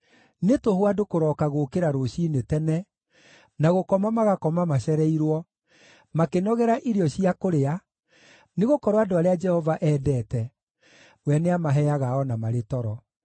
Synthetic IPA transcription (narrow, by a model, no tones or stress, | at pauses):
netoɦwadokoɾɔːkaɣokeɾaɾoɕinetɛnɛ | naɣokɔmamaɣakɔmamaɕɛɾɛiɾwɔ | makenɔɣɛɾaʔiɾiɔɕiakoɾea | neɣokɔɾoadoaɾead͡ʒɛhɔvaʔɛːdɛːtɛ | wɛneamaɦɛaɣaɔnamaɾetɔɾɔ